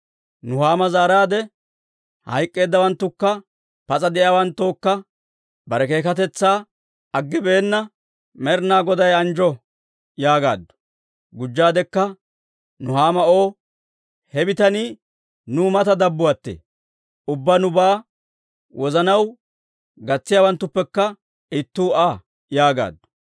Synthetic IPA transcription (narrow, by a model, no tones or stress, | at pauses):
nʊhaːmɐzaːɾaːd̪ɛ | hɐ̰jkʼːe̞ːd̪ːɐwɐnt̪ːʊkːɐ | pɐt͡sʼɐd̪ɛjaːwɐnt̪ːoːkːɐ | bɐɾɛke̞ːkɐt̪ɛt͡sːaː | ɐɡːɪbe̞ːnːɐ | mɛɾnaːɡɔd̪ɐjɐnd͡ʒɔ | jaːɡa̰ːd̪ːʊ̥ | ɡʊd͡ʒːaːd̪ɛkːɐ | nʊhaːmɐʔo̞ː | hɛbɪt̪ɐni | nʊmɐt̪ɐd̪ɐbːʊwɐt̪ːḛː | ʊbːɐnʊbaː | wɔzɐnɐw | ɡɐt͡sːɪjaːwɐnt̪ːʊpːɛkːɐ | ɪt̪ːuːaː | jaːɡa̰ːd̪ːʊ̥